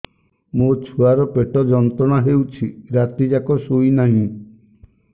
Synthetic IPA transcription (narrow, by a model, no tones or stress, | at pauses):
mot͡ʃʰuaɾɔpeʈɔd͡ʒɔnt̪ɾɔɽ̃aɦewt͡ʃʰiɾat̪id͡ʒakɔsujnaɦĩ